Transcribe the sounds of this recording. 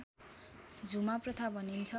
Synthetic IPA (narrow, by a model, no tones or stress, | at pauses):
d͡zumaprʌt̪ʰabʱʌnint͡sʰʌ